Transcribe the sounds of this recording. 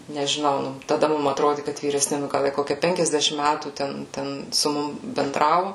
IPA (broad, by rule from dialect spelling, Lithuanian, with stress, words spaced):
nʲɛʒʲɪˈnɐʊ nʊ tɐˈdɐ ˈmʊm ɐtˈroːdʲɪ kɐt ʋʲiːrʲɛsʲˈnʲɪ nʊ ˈɡɐlˠ ˈjiɛ ˈkoːkʲɛ ˈpʲɛŋʲkʲɛzʲdʲɛʃʲɪm ˈmʲætuː ˈtʲɛn ˈtʲɛn sʊ ˈmʊm bʲɛnˈdrɑːʋʊ